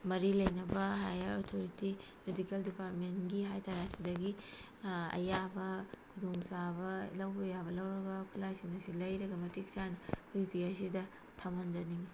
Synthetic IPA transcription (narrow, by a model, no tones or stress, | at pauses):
mɐɾilɐjnɐbɐɦajɐɾotʰoɾiti | medikeldipaɾtmenɡiɦajtʰaɾasidɐɡi | ɐ̰jabɐkʰudoŋsabɐlɐwbɐjaβɐlɐwɾɐɡɐkʰulasiŋɐsilɐjɾɐɡɐmɐtik̚sanɐkʰuipʰiɐs̬idɐ | tʰamɐnd͡ʒɐniŋ